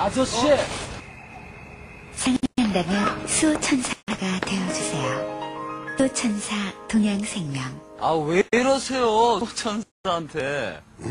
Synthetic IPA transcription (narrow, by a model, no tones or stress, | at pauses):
asʌɕe | sʰaŋŋɦandamjʌnsʰut͡ɕʰʌnsʰaɡatwe̞jʌd͡ʑusʰe̞jo | sʰut͡ɕʰʌnsʰatoŋjaŋsʰe̞ŋmjʌŋaweɾʌsʰejot͡ɕʰʌnsaɾantʰe